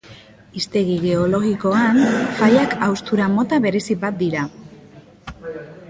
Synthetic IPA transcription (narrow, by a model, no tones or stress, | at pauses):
ist̪e̞ɣiɣe̞o̞lo̞ɣiko̞anfajakawst̪uɾamo̞t̪aβe̞ɾe̞sibat̪̚d̪iɾa